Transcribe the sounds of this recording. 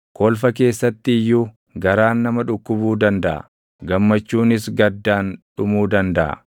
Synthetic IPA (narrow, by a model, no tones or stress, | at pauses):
koːlfɐk̬e̞ːsːɐt̪ːɪɪjːuː | ɡɐɾaːnːɐmɐᶑʊkːʊbuːd̪ɐnd̪ɐʔɐ̰ | ɡɐmːɐt͡ʃːuːnɪsɡɐd̪ːaːnᶑʊmuːd̪ɐnd̪ɐʔɐ̰